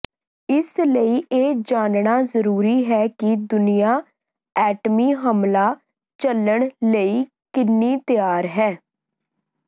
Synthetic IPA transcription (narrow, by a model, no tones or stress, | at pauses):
ɪsləiːʔeːd͡ʒaːnɳaːzəɾuːɾiːɦɛːkɪd̪ʊnijaː | ɛːʈmiːɦəmlaː | t͡ʃələɳ̃ləiː | kɪnːiːt̪ɪjaːɾɦɛː